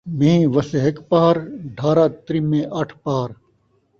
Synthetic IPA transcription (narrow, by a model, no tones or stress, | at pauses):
mẽĩʋɐseɦɐkpaːɐɾɖʱaːɾaːt̪ɾimẽʔɐʈʰpaːɐɾ